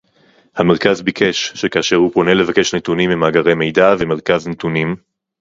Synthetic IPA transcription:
hameʁkazbikʰe̞ʃʃekaːʃe̞ʁhupo̞ne̞le̞vake̞ʃnetunimimaɡaʁe̞jme̞jdaveme̞ʁkaznetunim

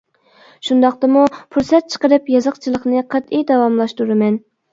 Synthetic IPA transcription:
ʃund̪ɑqt̪ɑmupʰuɾsɛt̪̚t͡ʃʰə̥qəɾɨpjɑzəqt͡ʃʰilˠəχnɨqʰɑt̪ijd̪ɑwɑmlˠɑʃt̪uɾɨmɛn

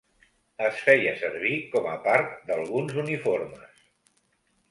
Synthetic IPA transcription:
əsfɛjəsəɾβ̞ikɔməpaɾt̪d̪əlˠɣunzunifoɾmə̰s

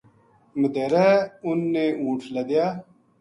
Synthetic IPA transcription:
məd̪eɾɐunːeũːʈʰlɐd̪jaː

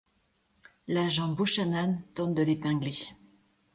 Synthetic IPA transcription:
laʒɑ̃buʃanant̪ɔ̃nd̪əlepɛ̃ɡle

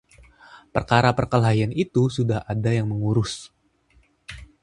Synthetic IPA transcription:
pərkaɾapərkəlɦajanit̪usudahadajaŋməŋuɾʊs

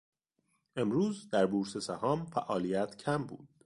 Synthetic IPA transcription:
ʔe̞mɾuːzd̪æɾbuːɾsesæhɒːmfæʔɒːlijæt̪ʰcʰæmbṵːd̪̥̚

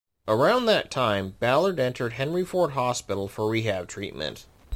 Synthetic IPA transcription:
ʔə˞ãʊ̃nðɨtʰãɪ̃mbælˠə˞ɾɛ̃ntʰə˞d̚ɦɛ̃nɹifɔɹt̚ɦɑspɪɾl̩ˠfə˞ɹiɦæv̥tʰɹ̥ḭt̚mɨ̰̃nt

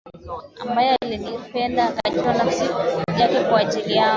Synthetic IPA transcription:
a̰mbajɛalinipɛndaːkat͡ʃɔnasikuuʄakɛkwaʄiliaɔ

